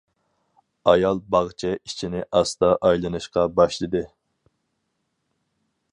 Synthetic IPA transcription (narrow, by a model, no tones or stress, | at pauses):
ɑjɑlˠbɑʁt͡ʃʰɛit͡ʃʰinɪʔɑst̪ɑʔɑjlˠɨnɨʃqɑbɑʃlˠɨd̪ɨ